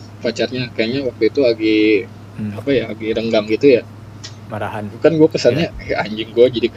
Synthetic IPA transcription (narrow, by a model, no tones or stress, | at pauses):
pat͡ʃarɲakajaɲawak̚t̪uit̪uaɡi | apajaːɡiɾəŋɡaŋɡit̪uja | maɾahanbukanɡuakəsanɲaaɲd͡ʒɪŋɡuad͡ʒadik